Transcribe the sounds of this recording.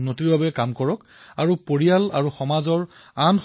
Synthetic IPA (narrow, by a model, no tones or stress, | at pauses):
notiɹbabɛkamkɔɹɔk | aɹupoɹijala̰ɹuxɔmazɔɹ | anx